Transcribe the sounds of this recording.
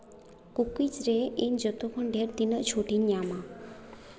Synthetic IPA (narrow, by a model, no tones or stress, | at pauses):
kukid͡ʒɾeiɲd͡ʒɔt̪ukʰɔɳɖeɾd̪inɔʔt͡ʃʰuʈiɲama